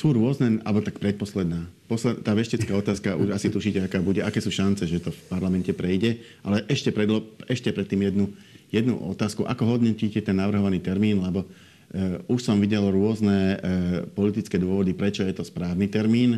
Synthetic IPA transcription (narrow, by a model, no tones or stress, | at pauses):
suːɾʊɔznɛa̰lbɔt̪ak̚pɾɛt̪̚pɔslɛd̪naːpɔslɛt̪aːʋɛʃcɛt͡skaːɔt̪aːskaʔṵʃasit̪uʃiːcɛakaːbuɟɛakɛːsuːʃant͡sɛʒɛt̪ɔfpaɾlamɛncɛpɾɛjɟɛʔalɛʔɛʃcɛpɾɛd̪lɔɛʃcɛpɾɛt̪ːiːmjɛd̪nu | jɛd̪nṵʔɔ̰t̪aːskuʔa̰kɔɦɔd̪ɲɔciːcɛt̪ɛnːaʋr̩ɦɔʋaniːt̪ɛɾmiːnlɛbɔ | uʃsɔmʋiɟɛlɔɾʊɔznɛ | pɔlit̪it͡skɛːd̪ʊɔʋɔd̪ipɾɛt͡ʃɔjɛt̪ɔspɾaːʊniːt̪ɛɾmiːn